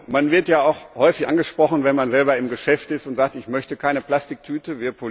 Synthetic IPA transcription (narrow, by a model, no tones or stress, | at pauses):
manvɪɐtjaːʊxhɔʏfɪçʔa̰nɡəʃpʁ̥ɔχn̩vɛnmanzɛlbɐɪmɡəʃɛftɪstʊntz̥aːk̚tɪçmœçtəkʰaɪnəpl̥astɪk̚tʰyːtəviːɐpʰo